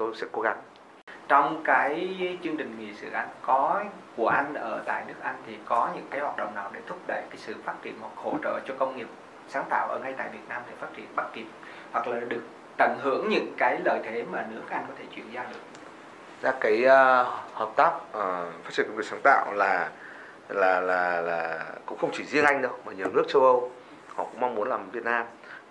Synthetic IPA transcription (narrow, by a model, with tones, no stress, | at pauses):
t̪o˧sɛ̰˧˥ko˧˦˥k̚a˨˦ŋ | t͡ɕɔ˧wŋ͡mkaː˨˦jt͡ɕɨ˧əŋt͡ɕï˨˩ŋ̟ŋḭ˨˩sɨ̰˧˩ʔa˧jŋkɔ˨˦ | ku˧˩əʔa˧jŋ̟ʔəː˧˩t̪a̰ː˧˨jnɨ˦˥ək̚ʔa˧jŋ̟t̪ʰi˨˩kɔ˨˦ɲɨ̰˧˥ŋkaː˨˦jhwaː˨˩t̚ɗə̰˧˨ŋ͡mnaː˨˩wɗe˧˩t̪ʰʊ˦˥k͡p̚ɗə̰˧˨jkaː˨˦jsɨ̰˧˨faː˦˥t̚t͡ɕḭ˧˨ənhwa˨˩k̚ho̰˧˩t͡ɕə̰ː˧˨t͡ɕɔ˧kə˧wŋ͡mŋi˨˩əp̚ | saː˨˦ŋt̪a̰ː˧˨wʔəː˧˩ŋa˧jt̪a̰ː˧˨jvi˨˩ət̚naː˧mt̪ʰe˨˩faː˦˥t̚t͡ɕḭ˧˩ənɓa˦˥t̚ki˨˩əp̚ | hwa˨˩k̚laː˨˩ɗɨ˨˩ək̚ | t̪ə˧˩ŋɦɨ̰˧˥˨əŋɲɨ̰˧˥ŋkaː˨˦jləː˨˩jt̪ʰe˨˦maː˨˩nɨ̰˧˥əkaː˦˥kʔa˧ŋ̟kɔ˨˦t̪ʰe˧˩t͡ɕwi˧˩ənzaː˧ɗɨ˨˩ək̚ | zaː˧kaː˨˦jhəː˨˩p̚t̪aː˦˥p̚ːfa˦˥t͡ɕi˧˩˨kːŋ̚˨˩saː˨˦ŋt̪a̰ː˧˨wlaː˨˩ | laː˨˩laː˨˩laː˨˩kʊ̰˧˥ŋ͡mxə˧wŋ͡mt͡ɕi˧˩zi˧ənʔa˧jŋ̟ɗə˧wmaː˨˩ɲ˨˩əwnɨ˦˥ək̚t͡ɕə˧wʔə˧w | hɔ̰˧˨kʊ̰˧˥ŋ͡mma˧ŋ͡mmu˨˦ənlaː˨˩mvi˨˩ət̚naː˧m